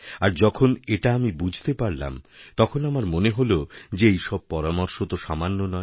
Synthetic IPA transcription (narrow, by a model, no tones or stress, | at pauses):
aɾd͡ʑɔkʰoneʈaamibud͡ʑʱt̪epaɾla̰mt̪ɔkʰonamaɾmoneɦolod͡ʑeejʃɔb̚pɔɾamoɾʃot̪oʃamanːonɔe